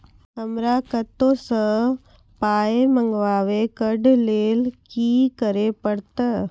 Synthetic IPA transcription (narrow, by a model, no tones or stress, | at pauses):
ɦəmɾakət̪õsə | paːemə̃ŋɡʋaːʋekəɖʱleːlkiːkəɾepəɽt̪a